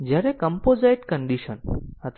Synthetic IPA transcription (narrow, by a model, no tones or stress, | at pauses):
d͡ʒjaɾekə̃mpozajʈkəɳɖiʃənɦət̪